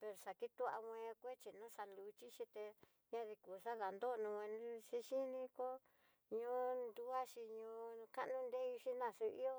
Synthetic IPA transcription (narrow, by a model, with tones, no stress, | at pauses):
pe˧ɾo˨ʂa˨ki˦t̪u˦a̰˧wʷẽ˧kʷe˦t͡ʃi˧nũ˦ʂa˧lu˧˦t͡ʃi˦ʃi˧t̪e˧ | ɲã˦ði˧ku˨ʂa˦ða˨nd̪o˦˧nũ˧ẽ˧˦ʃi˦ʃi˦nĩ˧ko˦ | ɲõ˦nd̪u˦a˦ʃi˧ɲõ˧˦˧ka˦ʔnũ˦nd̪e˦i˧ʂi˦nã˧˨su˧ḭ˦o˦